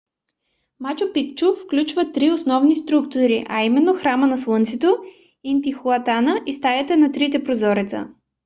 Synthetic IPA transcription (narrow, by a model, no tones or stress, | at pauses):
mat͡ʃopik̚t͡ʃuffklʲut͡ʃvət̪ɾiosnɔvnist̪ɾukt̪ʊɾiʔɐ̰imɛnːoxɾamənɐslˠɤnt̪sit̪o | int̪ixʊɐt̪anəʔist̪ajɐt̪ɛnɐt̪ɾit̪̬ɛpɾozɔɾit̪sə̰